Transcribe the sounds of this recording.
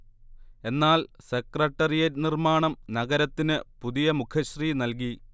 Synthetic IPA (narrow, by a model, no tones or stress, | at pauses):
e̞nːaːlsekrɐʈːɐrijɐtnirmaːɳɐmnɐɣɐɾɐt̪ːinɨpuðijɐmukʰɐɕriːnɐlk̬i